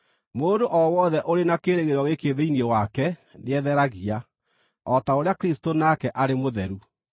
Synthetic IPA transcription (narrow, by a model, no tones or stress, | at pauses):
moːndoʔɔwɔðɛʔoɾenakeːɾeɣeɾɔɣekeðeiniewakɛneɛðɛɾaɣia | ɔtaoɾeakɾistonakɛʔaɾemoðɛɾu